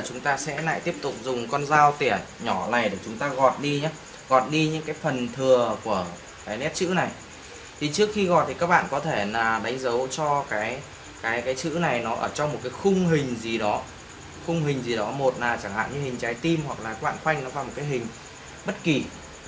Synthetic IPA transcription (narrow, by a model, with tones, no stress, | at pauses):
t͡ɕʊ˨˦ŋ͡mt̪aː˧sɛ̰˧˥la̰ː˧˨t̪i˦˥əp̚t̪ʊ̰˨˩k͡p̚zʊ˨˩ŋ͡mkɔ˧nzaː˧wt̪i˧˩ə | ɲɔ˧˩la̰ː˨˩jɗe˧˩t͡ɕʊ˨˦ŋ͡mt̪aː˧ɣɔ̰˨t̚ɗi˧ɲaː˨˦ | ɣɔ̰˨˩t̚ɗi˧ɲɨ̰˧˥ŋkaː˨˦jfə˨˩nt̪ʰɨ˨˩əku˧˩ə | kaː˨˦jnɛ˦˥t̚t͡ɕɨ̰˧˥na˨˩j | t̪ʰi˨˩t͡ɕɨ˦˥ək̚xi˧ɣɔ̰˨j̚t̪ʰi˨˩kaː˦˥k̚ɓa̰ː˧˨nkɔ˨˦t̪ʰe˧˩laː˨˩ɗa˨˦jŋ̟zə˨˦wt͡ɕɔ˧kaː˨˦j | kaː˨˦jkaː˨˦jt͡ɕɨ̰˧˥na˨˩jnɔ˨˦ʔəː˧˩t͡ɕɔ˧ŋ͡mmo˨˩t̚kaː˨˦jxʊ˧ŋ͡mɦï˨˩ŋ̟zi˨˩ɗɔ˨˦ | xʊ˧ŋ͡mhï˨˩ŋ̟zi˨˩ɗɔ˨˦mo˨˩t̚naː˨˩t͡ɕa˧˩ŋha̰ː˧˨nɲɨ̰˧˥hï˨˩ŋ̟t͡ɕaː˨˦jt̪i˧mhwa˨˩k̚laː˨˩kaː˦˥kɓa̰ː˧˨nxwa˧jŋ̟nɔ˨˦faː˨˩jmo˨˩tkaː˨˦jɦï˨˩ŋ̟ | ɓə˦˥t̚ki˨˩